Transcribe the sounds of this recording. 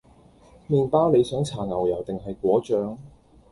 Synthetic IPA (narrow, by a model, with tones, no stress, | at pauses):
miː˨npaː˥wle˨˧jsœː˨˥ŋt͡sʰaː˨˩ŋɐ˨˩wjɐ˨˩wt̪ɪ˨ŋɦɐ˨jkʷɔː˨˥t͡ʃœː˨˥ŋ